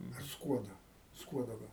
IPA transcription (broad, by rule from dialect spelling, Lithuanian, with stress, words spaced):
ɐr ˈskuɔdoː ˈskuɔdoː ˈɡɐlˠ